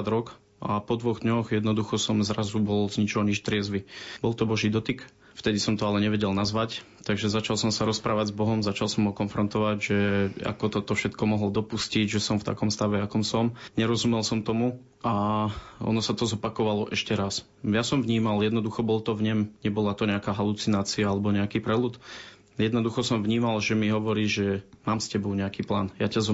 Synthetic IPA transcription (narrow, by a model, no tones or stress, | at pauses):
ad̪ɾɔk | ʔa̰pɔd̪ʋɔɣd̪ɲɔɣjɛd̪nɔd̪uxɔsɔmzɾazubɔlzɲit͡ʃɔɲiʃt̪ɾɪɛzʋibɔlˠt̪ɔbɔʒid̪ɔt̪ik | ft̪ɛd̪isɔmt̪ɔalɛɲɛʋɛɟɛlnazʋac | t̪aɡʒɛzat͡ʃalsɔmsaɾɔspɾaːʋaɟzbɔɦɔmzat͡ʃalˠsɔmɦɔkɔnfɾɔnt̪ɔʋaɟʒɛa̰kɔt̪ɔt̪ɔfʃɛt̪kɔmɔɦlɔd̪ɔpusciɟʒɛsɔmft̪a̰kɔmst̪aʋɛakɔmsɔmɲɛɾɔzumɛlsɔmt̪ɔmu | a | ɔ̰nɔsat̪ɔzɔpakɔʋalɔʔɛʃcɛɾas | jasɔmvɲiːmaljɛd̪nɔd̪uxɔbɔlt̪ɔvɲɛmɲɛbɔlat̪ɔɲɛakaːɦalut͡sinaːt͡siaalɛbɔɲɛakiːpɾɛlut̪ | jɛd̪nɔd̪uxɔsɔmvɲiːmalʒɛmiɦɔʋɔɾiːʒɛmaːmscɛbɔʊɲɛakiːpla̰ːnjacaz